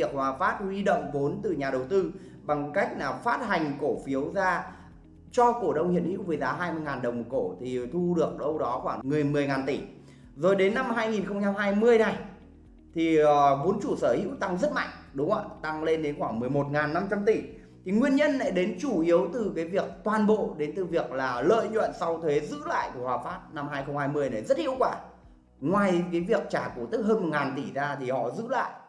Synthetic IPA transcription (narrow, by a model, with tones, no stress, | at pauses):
ək̚maː˨˩faː˦˥t̚hwi˧ɗo̰˧˨wŋ͡mvo˨˦nt̪ɨ˨˩ɲaː˨˩ɗə˨˩wt̪ɨ˧ | ɓa˨˩ŋka˦˥jk̟̚naː˨˩faː˦˥t̚ha˨˩jŋ̟ko˧˩fi˨˦əwzaː˧ | t͡ɕɔ˧ko˧˩ɗə˧wŋ͡mhḭ˧˨ənhḭ˧˥wvəː˨˦jzaː˨˦ɦaː˧jmɨ˧əjŋaː˨˩nɗə˨˩wm̚˨˩ko˧˩t̪ʰi˨˩t̪ʰu˧ɗɨ˨˩ək̚ɗə˧wɗɔ˨˦xwaː˧˩ŋŋɨ˨˩əjmɨ˨˩əjŋaː˨˩nt̪i˧˩ | zo˨˩jɗe˨˦nːa˧mɦaː˧jŋi˨˩nxə˧wŋ͡mt͡ɕa˧mhaː˧jmɨ˧əjna˨˩j | t̪ʰi˨˩əː˨˩ɓo˨˦nt͡ɕu˧˩səː˧˩hḭ˧˥wt̪a˧ŋzə˦˥t̚ma̰˧˨jŋ̟ɗʊ˨˦ŋ͡mʔa̰˧˨t̪a˧ŋle˧nɗe˨˦nxwaː˧˩ŋmɨ˨˩əjmo˨˩t̚ŋaː˨˩nːa˧mt͡ɕa˧mt̪i˧˩ | t̪ʰi˨˩ŋwi˧ənɲə˧nla̰ː˧˨jɗe˨˦nt͡ɕu˧˩ʔi˨˦əwt̪ɨ˨˩kaː˨˦jvi˨˩ək̚t̪waː˨˩nɓo̰˧˨ɗe˨˦nt̪ɨ˨˩vi˨˩ək̚laː˨˩lə̰ː˧˨jɲwə̰˧˨nsa˧wt̪ʰwe˨˦zɨ̰˧˥la̰ː˧˨jku˧˩hwaː˨˩faː˦˥p̚na˧mhaː˧jxə˧wŋ͡mhaː˧jmɨ˧əjna˨˩jzə˦˥t̚hḭ˧əwkwaː˧˩ | ŋwaː˨˩jkaː˨˦jvi˨˩ək̚t͡ɕaː˧˩ku˧˩t̪ɨ˦˥k̚ɦəː˧nm˨˩ŋaː˨˩nt̪i˧˩zaː˧t̪ʰi˨˩hɔ̰˧˨zɨ̰˧˥la̰ː˧˨j